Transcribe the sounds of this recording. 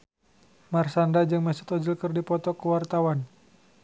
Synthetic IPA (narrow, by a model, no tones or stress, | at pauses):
marsandad͡ʒɨŋmɛsɔ̥t̪ɔd͡ʒilkərdipɔt̪ɔkəwart̪awan